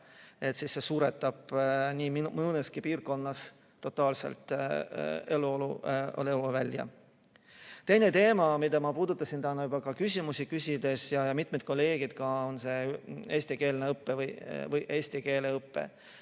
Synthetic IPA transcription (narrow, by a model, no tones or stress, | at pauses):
e̞t̪sisːe̞suːɾet̪ːˑɑb̥nʲiːmimnːeskipiːrko̞nːɑs | t̪ːo̞t̪ːˑɑːlse̞̰lt̪ˑ | e̞luoluo̰leluvælʲːjɑ̰ | t̪e̞jnet̪e̞ːmɑmid̪ɑmɑpuːd̪ut̪ːˑɑsint̪ænːɑubɑkɑkysʲimusikysʲid̪̥e̞sjɑjɑmit̪ˑmed̪̚ko̞lːe̞ːɡid̪̥kɑo̞nse̞e̞ːsʲt̪ike̞ːlneɤpːevɤjvɤjʔe̞ːsʲt̪ike̞ːleɤpːe̞̰